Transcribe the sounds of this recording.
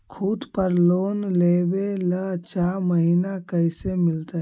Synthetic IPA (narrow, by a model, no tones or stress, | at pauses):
kʰuːd̪pəɾloːnleːbelət͡ʃaːməɦiːnakəɪsemɪlt̪a